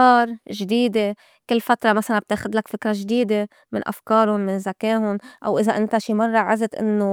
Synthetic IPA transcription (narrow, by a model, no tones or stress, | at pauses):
ɑːɾˤʒd̪iːd̪e | kɪlːfat̪ɾˤɑmasalab̚t̪eːxɪd̪lakfɪkɾˤɑʒd̪iːd̪e | mɪnʔa̰fkɑːɾʊnmɪnzakeːɦʊnʔa̰wʔɪzaʔɪnt̪aʃiːmɑrˤːɑʕazɪt̪ʔɪ̰nːo